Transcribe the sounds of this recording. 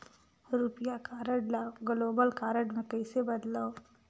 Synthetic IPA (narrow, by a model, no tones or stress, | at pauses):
ɾuːpɪjakaːɾəɖlaɡloːbəlkaːɾəɖmẽkɐisebɐd̪laːo